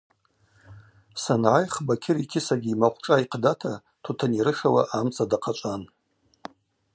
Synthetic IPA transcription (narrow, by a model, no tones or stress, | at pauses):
sanʕajχbakʲʰɪrikʲʰɪsaɡʲiimaχʷʰʼʈ͡ʂʼaiqʰdatʰa | tʰutʰaniɾɨʂawa̰ʔamt͡sʼadaqʰat͡ʃʷʼan